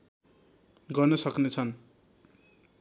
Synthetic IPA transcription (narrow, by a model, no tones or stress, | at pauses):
ɡʌrnʌsʌknet͡sʰʌn